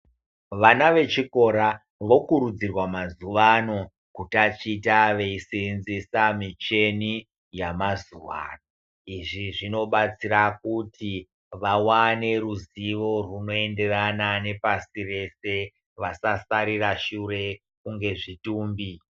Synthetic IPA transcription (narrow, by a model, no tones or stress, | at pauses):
ʋanaʋe̞t͡ʃiko̞ɾa | ʋo̞kuɾud͡zirwamazuʋano̞ | kutat͡ʃitaʋe̞isinzisamit͡ʃe̞ni | jamazuʋa̰no | iʐiʐino̞ɓat͡sirakutʰi | ʋawane̞ruziʋo̞runo̞e̞nde̞ranane̞pasire̞se̞ | ʋasasaɾiraʃure̞ | kuŋɡe̞ʐituːmbi